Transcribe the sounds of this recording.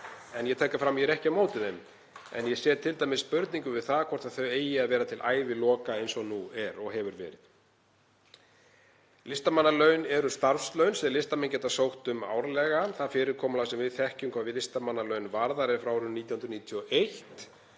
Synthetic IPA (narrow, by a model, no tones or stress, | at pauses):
ɛnjɛt̪ʰɛhkːafɾamːjɛɛɾɛhcamoːwt̪ɪðem | ɛ̰njɛsjɛːðt̪ʰɪlt̪aːjmɪsːpʏɾt̪niŋkʏvɪðθaðkʰvɔr̥t̪aðθœɥeːjɪaðvɛːɾat̪ʰɪlʔaːjvɪlɔːkaejnsɔnuɛɾɔɣɦɛvʏɾvɛ̰ːɾɪð̥ | lɪst̪amanːalœɥnɛɾʏst̪aɾfslœɥnsɛlɪst̪amɛncɛːt̪asowht̪ʏma̰ːwɾlɛɣaθaðfɪːɾɪɾkʰɔːmalasɛmvɪðθɛhcʏmkʰv̥aːðvɪðlɪst̪amanːalœɥnvaɾðaɾɛfɾawɾʏnniːt̪jahʏnɾʏniːt̪ʰiɔʔejht̪